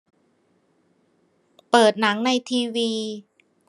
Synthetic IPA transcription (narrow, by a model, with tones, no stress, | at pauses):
pɤː˨˩t̪̚na˩˦ŋna˧jt̪ʰiː˧wiː˧